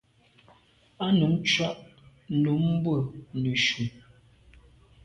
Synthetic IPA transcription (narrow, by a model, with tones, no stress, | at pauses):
a˦nu˨˦mt͡ʃwa˦ʔ | nu˨˦m˦bwə˦˨nʉ˨ʃu˨